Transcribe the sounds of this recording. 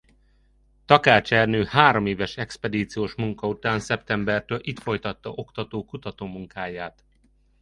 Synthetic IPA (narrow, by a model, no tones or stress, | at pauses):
t̪ɒkaːt͡ʃɛrnøːhaːɾo̞meːvɛʃɛkspɛd̪iːt̪sijoːʃmuŋkɒut̪aːnsɛpt̪ɛmbɛrt̪øːlʔit̪fo̞jt̪ɒt̪ːɒʔokt̪ɒt̪oːkut̪ɒt̪oːmuŋkaːjaːt̪